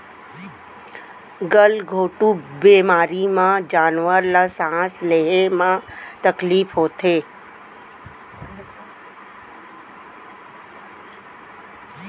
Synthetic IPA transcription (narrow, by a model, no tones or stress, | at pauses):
ɡəlɡʱoːʈubeːmaːɾimãd͡ʒaːnʋəɾlasãːsleɦemãt̪əkliːfɦoːt̪ʰeː